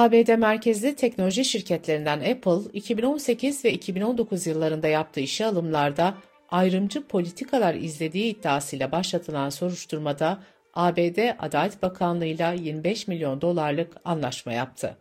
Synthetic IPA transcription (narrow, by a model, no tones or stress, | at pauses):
aːbeːd̪ɛmæɾcʰezlʲit̪ʰɛcno̞lʲoʒiʃiɾcʰɛt̪lʲe̞ɾind̪ænɛpʰlˠicʰibino̞nse̞cʰizvɛicʰibino̞nd̪o̞kuzjɯlˠːaɾɯnd̪ajap̚t̪ʰɯːiʃialˠɯmlˠaɾd̪a | ajɾɯmd͡ʒɯpʰo̞lʲit̪ʰikʰalˠaɾḭzlʲe̞d̪iːd̪ːaːsɯjlʲˠabaʃlˠat̪ʰɯlˠanso̞ɾuʃt̪ʰuɾmad̪a | aːbeːd̪ɛʔa̰d̪aːlʲɛt̪bakʰanlˠɯjlˠajiɾmbɛʃmilʲjo̞nd̪o̞lˠaɾlˠɯkanlˠaʃma̰ja̰p̚t̪ʰɯ̰